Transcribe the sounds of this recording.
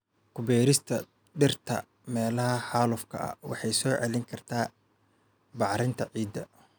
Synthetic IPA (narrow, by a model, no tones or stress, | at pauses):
kʰʊbɛːɾɪst̪ʰɐ | ɖɪrt̪ʰɐ̰ | mɛːlɐhɐħaːlʊfkʰɐ̰ʔɐ̰wɑ̰ħɑjsɔːʕɛlɪŋkʰɐrt̪ʰaː | bɑʕɾɪnt̪ʰɐʕiːd̪ːɐ